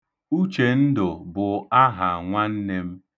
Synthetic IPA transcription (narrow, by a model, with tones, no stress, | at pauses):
u˦t͡ʃe˨n̩˦dʊ˨bʊ˨a˦ɦa˨ŋʷa˦n̩˦ne˦m̩˦